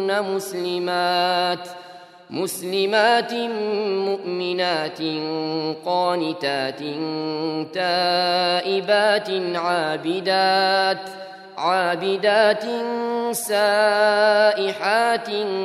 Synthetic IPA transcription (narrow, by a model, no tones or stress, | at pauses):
namʊslɪmaːt̪ | mʊslɪmaːt̪mʊʔmɪnaːt̪nqɑːnɪt̪aːt̪ɪnt̪aːʔɪbaːt̪ɪnʕaːbɪd̪aːt̪ | ʕaːbɪd̪aːt̪ɪnsaː | ʔɪħaːt̪